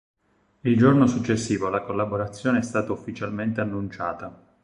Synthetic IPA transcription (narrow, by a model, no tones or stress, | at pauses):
ild͡ʒornosut͡ʃːesːiːvolakolːaboɾat̪sːjoːneɛst̪aːt̪aufːit͡ʃalment̪eanːunt͡ʃaːt̪a